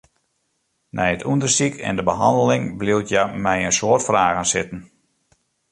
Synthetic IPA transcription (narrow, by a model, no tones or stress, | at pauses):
nʔɛjətʰundərsikʰɛ̰ndəbəɦɑ̰ndəlɪŋbliwtʰjamɛjənsoːərtfraːɣənsɪtən̩